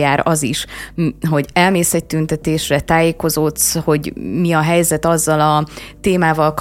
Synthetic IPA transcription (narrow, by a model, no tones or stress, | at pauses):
aːɾɒziʃɦo̞ɟɛlmeːsɛc̚t̪ynt̪ɛt̪eːʃrɛt̪aːjeːko̞zot̪sho̞ɟmiɒɦɛjzɛt̪ɒzːɒlɒt̪eːmaːvɒlk